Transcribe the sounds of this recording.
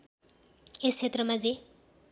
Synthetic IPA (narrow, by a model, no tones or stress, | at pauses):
est͡sʰet̪rʌmad͡ze